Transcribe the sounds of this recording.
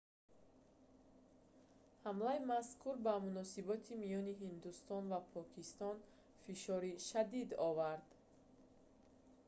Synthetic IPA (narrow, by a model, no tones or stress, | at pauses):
hamlaimaskʰuɾbamunɔsibɔt̪ʰimijɔniɦind̪ust̪ɔnvapʰɔkʰist̪ɔn | fiʃɔɾiʃad̪id̪ɔvaɾd̪̥